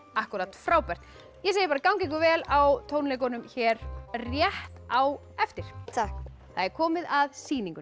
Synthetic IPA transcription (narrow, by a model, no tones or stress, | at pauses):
ahkʏɾat̪fɾaːwpɛr̥t̪ | jɛseːjɪpaːɾakawŋcɪŋkʏvɛːlawt̪ʰoːwnlejkɔnʏmçɛːɾrjɛht̪aw | ɛft̪ɪɾ̥t̪ʰak | θaðɛɾ̥kʰɔːmɪðaðsiːniŋkʏ